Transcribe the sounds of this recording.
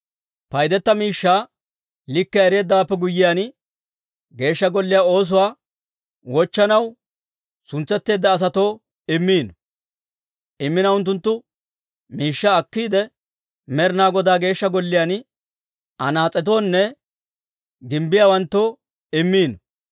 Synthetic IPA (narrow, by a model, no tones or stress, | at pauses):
pɐjd̪ɛt̪ːɐmiːʃːaː | lɪkːɛɛɾeːd̪ːɐwapːɛɡʊjːɪjaːn | ɡe̞ːʃːɐɡɔlːɪjaːo̞ːs̬ʊwaː | wɔt͡ʃːɐnɐw | sʊnt͡sːɛt̪ːe̞ːd̪ːɐːs̬ɐt̪o̞ː | ɪmːiːnɔ | ʔɪmːɪnɐʊnt̪ːʊnt̪ːʊ | miːʃːɐːkːiːd̪ɛ | mɛɾnaːɡɔd̪aːɡe̞ːʃːɐɡɔlːɪjaːn | ɐnaːt͡sʼːɛt̪̬o̞ːnːɛ | ɡɪmbɪjaːwɐnt̪ːo̞ː | ɪmːiːnɔ